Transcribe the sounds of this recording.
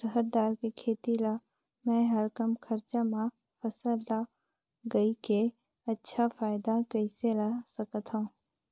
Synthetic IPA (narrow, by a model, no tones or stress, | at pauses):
səɦəɾd̪aːɾkikʰeːt̪ila | mɛ̃ɦəɾkəmkʰəɾt͡ʃamã | pʰəsəla | ɡɐike | ɐtːʃʰafʰaːɪd̪akɐiselasəkət̪ɦũː